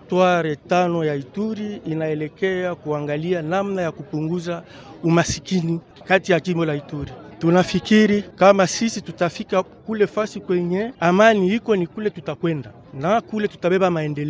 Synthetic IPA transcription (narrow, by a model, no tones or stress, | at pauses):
twaɾɛtanɔjaituɾiinaɛlɛkɛakuaŋɡalianamnajakupuŋɡuza | umasikini | katijad͡ʒimbɔlaituɾitunafikiɾikamasisitutafikakulɛfasikwɛɲɛamanihikɔnikulɛtutakwɛnda | nakulɛtu̥taɓɛbamaɛndɛlɛ